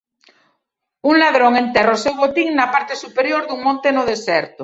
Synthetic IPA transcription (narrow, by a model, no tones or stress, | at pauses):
uŋlaðɾoŋẽnt̪erosewβot̪iŋnapaɾt̪esupeɾjoɾðuŋmõnt̪enoðesɛɾt̪o